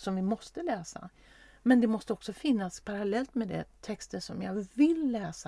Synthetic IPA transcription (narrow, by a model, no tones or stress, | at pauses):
sɔmvɪmɔst̪əlɛːsa̰ | mɛnd̪ɛmɔst̪əɔksɔfɪnːaspʰaɾalɛlt̪mɛd̪ɛ̰t̪ʰɛkst̪əʂɔmjɑːɡvɪlːɛːsa